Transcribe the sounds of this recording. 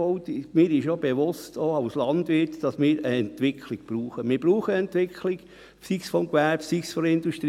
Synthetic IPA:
ɔʊtɪmɪːɾɪʃob̥eʋʊstʰoaʊslɑnd̥ʋɪtd̥ɑsmɪːɾəɛntʋɪkʰlɪɡ̥̚b̥ɾuːχəmɪːɾbɾuːχəɛntʋɪkʰlɪɡ̥ | sisfɔmkʋæɾpsiksfɔɾɪnduʃtɾ

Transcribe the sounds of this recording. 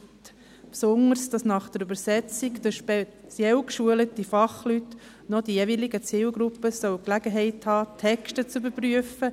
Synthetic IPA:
t | psʊŋəsd̥ɑsnɑχd̥əɾybəɾsɛt͡sikd̥əʃpɛ | t͡sjɛwkʃuələtifɑχlyt | nɔd̥̪ijeʋiliɡət͡siːlɡɾupːəsœwklæɡ̥əɦɛɪthɑːtʰɛkʃtət͡sybəɾpryəfə

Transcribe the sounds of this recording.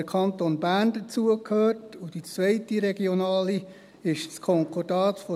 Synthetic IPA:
əkʰɑntonbæɾndət͡suəkʰhøːrtud̥it͡svɛɪtiɾɛɡionɑːli | ɪʃskʰɔŋkʰɔd̥ɑːtfɔ

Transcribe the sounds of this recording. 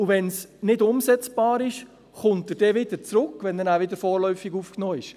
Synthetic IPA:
ʊʋɛnsnɪdʊmsɛt͡sb̥ɑːɾɪʃ | χʊntəɾd̥ɛːʋɪd̪əɾt͡sɾʊkʋɛnəɾæːvɪdəɾfoːrlœʏfiɡuːfknɔːɪʃ

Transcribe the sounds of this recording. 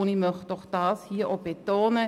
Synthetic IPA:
ʊnimœχd̥ɔχd̥ɑːshiːʔob̥et̪oːnə

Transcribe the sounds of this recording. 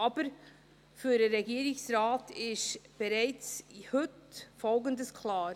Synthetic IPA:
ɑːbəɾ | fyːdəɾɛɡiːɾɪçsɾaːtɪʃb̥ɛɾɛɪt͡shʏtfɔlɡəndəskʰlaːɾ

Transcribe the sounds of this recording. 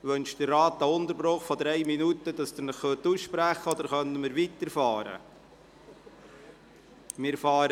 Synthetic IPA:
ʋɵnʃd̥ərːɑːt̪̚ɑʊnt̪əɾbɾoχfɔd̪ɾɛɪminutəd̥ɑsd̥̪ənəχːøtusʃpɾæχəɔd̪əɾχœnəmɪɾʋit̪əɾfɑːɾə̰ | mɪɾfɑːɾə

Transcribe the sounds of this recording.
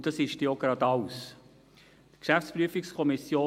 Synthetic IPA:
d̥ɑsɪʃd̥ioɡrɑdɑʊs | təkʃæfspryəfikskʰɔmisjoː

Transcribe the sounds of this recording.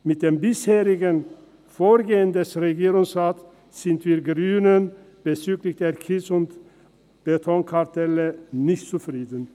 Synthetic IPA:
mɪt̚d̥eːmbɪsheːʁɪɡən | foːɐɡeːəndɛsʁeɡiːʁʊŋsʁaːt | z̥ɪntv̥iːɐɡʁyːnən | b̥ət͡syːɡlɪçd̥eːɐkʰɪsʊnt | b̥etʰɔŋkʰaɐtʰɛlənɪçtt͡sufʁ̥iːdən̩

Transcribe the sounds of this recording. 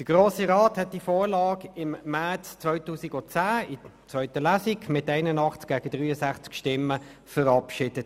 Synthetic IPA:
d̥əɡ̥ʁoːsiʁɑːthɛt̚d̥ifoːɾlɑːɡɪmːæʁt͡st͡sʋœʏtuːsiɡʊt͡sæːɪt͡sʋœʏtəlæsiɡmɪtæɪnənɑχt͡sk̚ɡ̥æːɡ̥ədʁyːəsæχt͡skʃtɪmːə | fəʁɑpʃɪd̥ət

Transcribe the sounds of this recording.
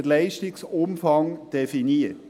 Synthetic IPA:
d̪læɪʃt̪ɪksʊmfɑŋd̪̥ɛfɪniː

